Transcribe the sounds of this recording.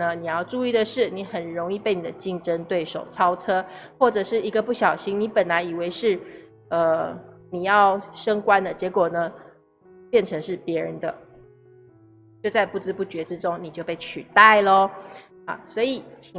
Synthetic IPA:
ə˦ni˨˩jɑ˥˧ʊʈ͡ʂu˥˧i˥˩d̪ə˨˩ʂɻ̩˥˩ni˧˥xə˨˩nɻo˧˥ŋi˥˧pe˥˩ɪni˨˩d̪ə˦t͡ɕi˥˧ŋʈ͡ʂə˦nt̪we˥˩ɪʂo̰˨˩ʊt͡sʰɑ˥ʊt͡sʰɤ˥xwɔ˥˨˩ʈ͡ʂɤə˨˩ʂɻ̩˥˩i˧˥ɡə˧pu˥˩ɕjɑ˨˩ʊɕi˥ŋni˧˥pə˨˩nla˧˥ɪi˨˩we˧˥ɪʂɻ̩˥˩ | ə˧ni˨˩jɑ˥˩ʊʂɤ˥ŋkwa˦nd̪ə˨t͡ɕjɛ˧˥kwɔ˨˩nə˦ | pjɛ˥˩nʈ͡ʂʰə˧˥ŋʂɻ̩˥˩pjɛ˧˥ɻə˧˦nd̪ə̰˧ | t͡ɕjo˥˧ʊt͡sa˥˧ɪpu˥˩t͡sɻ̩˥˦pu˥˩t͡ɕɥɛ˧˥ʈ͡ʂɻ̩˦ʈ͡ʂʊ˦ŋni˨˩t͡ɕjo˥˧ʊpe˥˩ɪt͡ɕʰy˨˩t̪a˥˩ɪlə˩ | a̰˥˨˩swɔ˧˥i˨˩t͡ɕʰi˨

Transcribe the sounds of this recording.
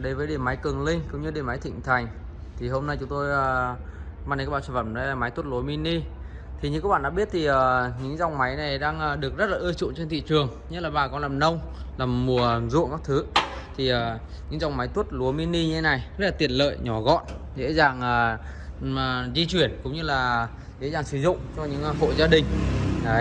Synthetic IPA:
ɗə˨˦jvəː˨˦jɗe˧˨˩ma˨˦jkɨ˨˩ŋlï˧ŋ̟kʊ̰˧˦ŋ͡mɲɨ˧ɗe˨˩ma˨˦jt̪ʰḭ̈˧˨ŋ̟t̪ʰa˨˩jŋ̟ | t̪ʰi˨˩ɦo˧mna˧˩jt͡ɕʊ˨˦ŋ͡mt̪o˧jəː˨˩ | maː˧˨n̚ː˨˦˥ɓa̰ː˧˨˧va˧˩nɗə˨˦laː˨˩ma˨˦jt̪u˦˥t̚lu˨˦jmi˧nːi˧ | t̪ʰi˨˩ɲɨ̰˧˥kːaː˦˥ɓa̰ː˧˨ɗ̰ːɓi˦˥ət̚t̪ʰi˨˩ʔəː˨˩ɲɨ̰˧˥ŋza˧wŋ͡mma˨˦jna˨˩jɗaː˧ŋʔəː˨˩ɗɨ˨˩ək̚zə˦˥t̚laː˨˩ʔɨ˧ət͡ɕʊ̰˧˨t͡ɕe˧nt̪ʰḭ˧˨t͡ɕɨ˨˩əŋ | ɲə˦˥laː˨˩ɓaː˨˩kɔ˨˦nlaː˨˩mnə˧wŋ͡mlaː˨˩mːu˨˩ə˨mzṵ˧˨ŋka˦˥k̚t̪ʰɨ˨˦t̪ʰi˨˩əː˨˩ | ɲɨ̰˧˥ŋza˨˧˩wŋ͡mma˨˦jt̪wt̚lu˨˦mi˧nːi˧ɲɨ˧e˨˦na˨˩jzə˦˥laː˨˩t̪i˨˩ənlə̰ː˧˨jɲɔ˨˩ɣɔ̰˧˨nzḛ˧˥zaː˨˩ŋʔəː˨˩˨ | zi˧t͡ɕwi˨˧˩ənkʊ̰˧˥ŋ͡mɲɨ˧laː˨˩ | zḛ˧˥zaː˨˩ŋsɨ˨˦zʊ̰˧˨ŋ͡mt͡ɕɔ˧ɲɨ̰˧˥ŋ˧xo̰˧˨zaː˧ɗï˨˩ŋ̟˨˦

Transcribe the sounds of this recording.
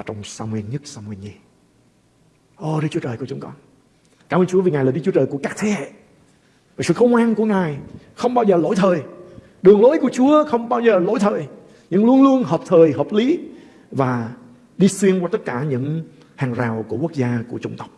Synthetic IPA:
aː˨˩t͡ɕɔ˧wŋ͡msaː˧mwi˧ənɲə˦˥t̚saː˧mwi˧ənzi˧ | ʔo˧˩ɗɨ˦k̚t͡ɕu˦t͡ɕəː˨˩jku˧˩t͡ɕʊ˨˦ŋ͡mkɔ˧˦n | kaː˧˩məː˧nɲt͡ɕu˨˦əvi˨˩ŋa˨˩jlaː˨˩ɗɨ˦˥k̚t͡ɕu˦t͡ɕəː˨˩jku˧˩əkaː˦˥k̚t̪ʰe˧˦hḛ˧˨ | vaː˨˩sɨ̰˧˨xə˧wŋ͡mʔaː˧nku˧˩əŋaː˨˩jxə˧wŋ͡mɓaː˧wzəː˨˩lo˧˥jt̪ʰəː˨˩j | ɗɨ˨˩əŋlo˧˥˦jku˧˩ət͡ɕu˨˦əxə˧wŋ͡mɓaː˧wzəː˨˩lo̰˧˥˦jt̪ʰəː˨˩j | ɲɨ̰˧˥ŋlu˧ənlu˧ənɦəː˨˩p̚t̪ʰəː˨˩jɦəː˨˩p̚li˨˦ | vaː˨˩ | ɗi˧swi˧ənkwaː˧t̪ə˦˥t̚kaː˧˩ɲɨ̰˧˥ŋ | haː˨˩ŋzaː˨˩wku˧˩əku˦˥ək̚zaː˧ku˧˩ət͡ɕʊ˧ŋ͡mt̪ə˦˥wk͡p̚

